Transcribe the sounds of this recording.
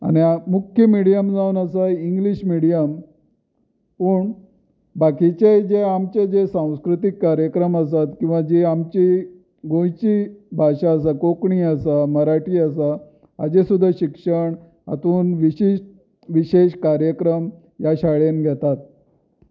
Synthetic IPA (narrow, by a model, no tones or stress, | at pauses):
a̰ñiamukʰjəmiɽijəmd͡zaunəsaiŋɡliɕmiɽijəm | pəːɳ | bakit͡ɕejd͡ʑeamt͡ɕed͡ʑesãw̃skɾut̪ikːaɾjəkɾəməsat̪kĩw̃ʋad͡ʑiamt͡ɕi | ɡõjt͡ɕibʱaɕaːsakokɳiəsaməɾaʈiːəsaː | d͡ʑesud̪ʱːaɕikʂəɳ | a̰t̪uːnʋiɕiɕʈ | ʋiɕeɕkaɾjəkɾəm | jaɕaɭenɡʱet̪at̪̚